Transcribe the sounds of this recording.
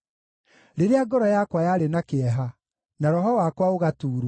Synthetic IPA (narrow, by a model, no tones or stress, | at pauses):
ɾeɾeaɡɔɾɔjakwajaɾenakeɛɦa | naɾɔɦɔwakwaoɣatuːɾu